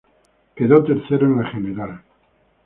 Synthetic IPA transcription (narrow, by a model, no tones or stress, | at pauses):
keðot̪eɾθeɾoeneχeneɾal